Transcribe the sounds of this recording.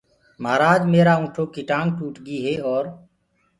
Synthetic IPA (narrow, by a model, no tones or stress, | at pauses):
maːɾaːd͡ʒmeːɾaːũːʈʰoːkiʈãːŋɡʈuːʈʰɡiːɦeːɔːɾ